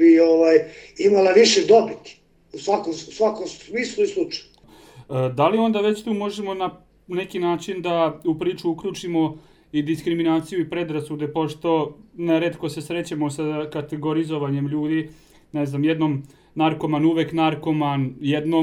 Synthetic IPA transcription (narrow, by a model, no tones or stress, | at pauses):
ioʋajimalaʋiʃed̪obit̪ | usʋakomusʋakomsmiːslˠuislˠut͡ʃḁju | d̪alio̞nd̪aʋe̞t͡ɕt̪uːmo̞ʒemo̞na | ne̞kinaːt͡ʃind̪aupɾiːt͡ʃuukʎuːt͡ʃimo̞ | id̪iskɾiminaːt̪sijuipɾe̞d̪ɾasud̪e̞po̞ʃt̪o̞neɾet̪ko̞sesɾe̞t͡ɕamosakat̪e̞ɡo̞ɾizo̞ʋaɲe̞mʎuːd̪i | neznamjed̪nom | naɾko̞manuʋeknaɾko̞manjed̪no